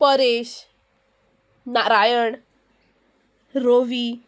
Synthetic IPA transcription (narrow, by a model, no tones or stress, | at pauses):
pəɾeɕ | naɾajəɳ | ɾoʋi